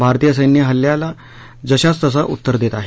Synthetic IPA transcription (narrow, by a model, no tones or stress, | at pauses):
bʱaɾt̪ijəs̬əjnjəɦəljala | d͡zəɕat͡st̪əs̬aʔut̪ːəɾd̪et̪aɦe